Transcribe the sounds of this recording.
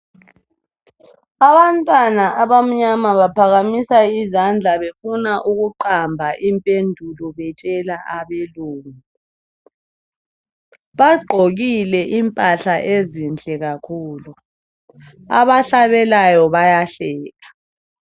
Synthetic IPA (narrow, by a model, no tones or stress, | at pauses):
aβantʼwanaʔaβam̩ɲamaβapʰaɣamisaizand͡ɮʱaβefunaʔuɣuǃambʱaʔimpʼendʱulɔβɛt͡ʃʼɛlaʔaβeluːŋi | βaɡ͡ǃʱoɣilɛʔimpʼaɬaʔezind͡ɮʱʼɛɣakʰuːlu | a̰βaɬaβɛlajɔβajaɬɛːɣa